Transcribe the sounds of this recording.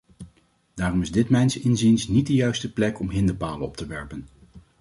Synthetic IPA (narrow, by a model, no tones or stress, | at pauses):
d̥aːrɔmɪzdɪtmɛjnsɪnzinsnit̚dəjœɥstəplɛkɔmɦɪndəɹpaːlənɔ̰p̚təʋɛɹpən